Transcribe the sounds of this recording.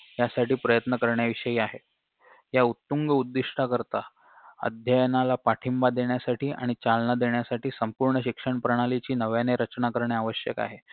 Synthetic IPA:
jasaʈiːpɾəjət̪nəkəɾɳjaʋiʂəjiːaɦe | jaut̪ːuŋɡəud̪ːiʂʈʰakəɾt̪a | ə̰d̪ʱjəjnalapaʈʰimbad̪eɳjasaʈiːʔa̰ɽ̃it͡ɕalnad̪eɳjasaʈiːsəmpuɾɳəɕikʂəɳpɾəɽ̃alit͡ɕiːnəʋjaneɾət͡ɕnakəɾɳjaaʋəɕjə̰ka̰ɦe

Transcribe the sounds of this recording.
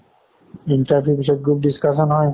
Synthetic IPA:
iɳʈaɾbʱjubiʃɔt̚ɡɾup̚ɖiskaʃɔnɦɔe

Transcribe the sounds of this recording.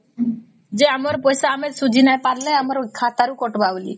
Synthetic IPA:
d͡ʒeamɔɾpɔjsaːmesud͡ʒʱinajpaɾleamɔɾkʰat̪aɾukɔʈbaʋlḭ

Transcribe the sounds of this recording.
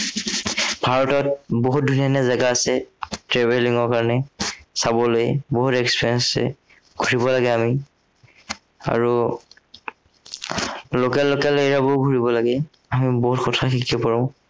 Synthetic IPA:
bʱaɹɔtɔt̚boɦut̚dʱunanɛzaɡaːsɛtɹebeliŋɔɹkaɹɔnɛsabɔlojboɦutɛkspiɹɛnsɛ̰ | ɡʱoɹibɔlaɡɛami | a̰ɹu | lokɛlːokɛleɹabʊɡʱuɹibɔlaɡɛ | amiboɦutxɔtʰaxikɛpɔɹɔ̃

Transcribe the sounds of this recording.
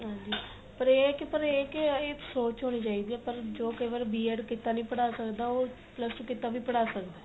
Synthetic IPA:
ɦãːnd͡ʒiː | pəɾekɪpəɾeːkɪeːsoːt͡ʃɦoːñiːt͡ʃaːiːd̪iːɛːpəɾd͡ʒoːkəiːʋaːɾbiːɛːɖkɪt̪aːnəĩːpəɽaːsəkd̪aːoː | pləskɪt̪aːʋiːpəɽaːsəkd̪aː

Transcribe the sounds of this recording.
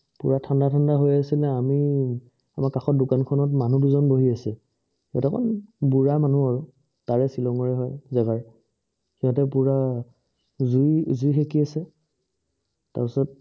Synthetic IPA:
pṵɹatʰandatʰandaɦojasilɛami | amaɹkaxɔt̚dukankʰɔnɔtmanuduzɔnboɦiasɛ | atakʰɔ̰nbuɹamanuaɹu | taɹɛsilɔŋɔɹɛɦɔjzaɡaɹ | kiɔ̃tɛpuɹa | zujzujxekiasɛ | ta̰ɹpisɔt̚

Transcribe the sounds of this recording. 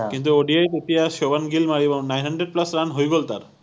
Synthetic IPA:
kint̪̬uoɖiajt̪eʈijaʃobanɡilmaɾiebɔŋnajnɦaɳɖɾeɖ̚plasɾanɦojɡolt̪aɾ

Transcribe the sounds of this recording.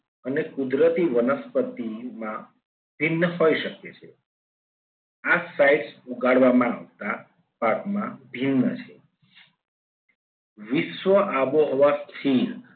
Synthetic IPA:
ənekud̪ɾət̪iʋənəspət̪imã | bʱinːəɦoiʃəket͡ʃʰe | asaiʈsuɡaɽʋamãaʋt̪a | pakmãbʱinːət͡ʃʰe | ʋɪʃʋəʔaʋoɦɔʋakʰiɾ

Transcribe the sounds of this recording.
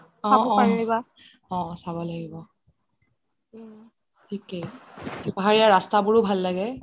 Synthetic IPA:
ɔabɔɔ̃aaɡiba | ɔ̃sabɔlaɡibɔ | tʰikedipɔɦaɹijaɹastabʊɹʊbʱalːaɡɛ

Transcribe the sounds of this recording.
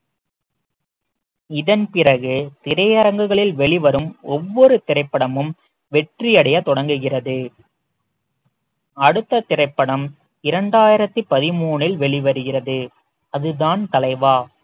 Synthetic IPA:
ɪðɐnpɪrɐɣɯt̪ɪɾɐjɐɾɐŋɡɯɣɐɭɪlʋɛɭɪʋɐɾɯmɔʋːɔɾɯt̪ɪrɐɪpːɐɽɐmɯm | ʋɛʈrijɐɽɐjɐt̪ɔɽɐŋɡɯɣɪrɐðɯ | ɐɽɯt̪ːɐt̪ɪrɐɪpːɐɽɐm | ɪɾɐɳɖaːjɪɾɐt̪ːɯpɐðɪmuːɳɪlʋɛɭɪʋɐɾɯɣɪrɐðɯ | ɐðɯðaːnt̪ɐlɐɪʋaː

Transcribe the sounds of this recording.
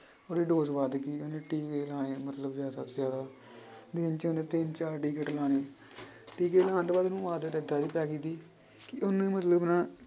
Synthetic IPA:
oːɾiːɖoːzʋaːd̪kiːonẽːʈiːkelaːneːmət̪ləbzjaːd̪aːzjaːd̪aː | d̪ɪnt͡ʃonẽːt̪ɪnt͡ʃaːɾʈiːkəʈlaːneː | ʈiːkeːlaːnt̪oːbaːd̪onũːʋaːd̪ɾɛd̪aːd̪iːpɛːkiːt̪iː | kɪʔʊnẽːmət̪ləbnãː

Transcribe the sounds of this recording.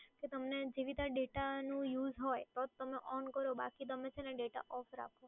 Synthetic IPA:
ket̪əmned͡ʒeʋit̪aɖeʈanũjuzɦɔjt̪ɔt̪ːəmeʔɔnkəɾoba̰kid̪əmet͡ʃʰeneɖeʈa̰ʔɔfɾa̰kʰo

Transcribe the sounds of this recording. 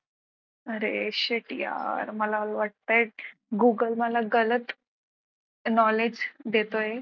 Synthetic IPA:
əɾeɕeʈja̰ɾməlaʋaʈ̚t̪aeʈ̚ɡuɡəlməlaɡələt̪ | nɔled͡ʑd̪et̪oe

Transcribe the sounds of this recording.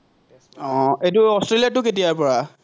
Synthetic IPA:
ɔ̃etʊɔstɹelijatʊketijaɹpɔɹa

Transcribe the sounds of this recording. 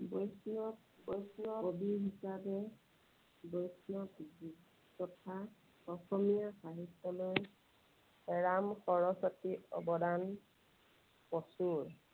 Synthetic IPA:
bɔjsnɔ | bɔjsnɔobiɦisabɛ | bɔjsnɔkbi | tɔtʰa | ɔxʰɔmijaxaɦitːɔloj | ɛɹamxɔɹɔsɔtiɔ̰bɔdan | pɔsuɹ

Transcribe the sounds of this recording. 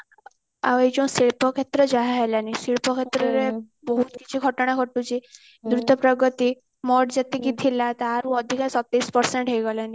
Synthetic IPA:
a̰ʋjd͡ʑɔ̃siɭpɔkʰet̪ɾəd͡ʑaɦaɦelanisiɭpɔkʰet̪ɾəɾe | bəɦut̪kit͡ɕʰiɡʱəʈɳ̃ãkʰəʈut͡ɕi | d̪ɾud̪ʱəpɾəɡət̪i | mɔɽd͡ʑat̪ikit̪ʰilat̪aaɾũəd̪ʱikasɔt̪ːispəɾseɳʈɦejɡɔlani

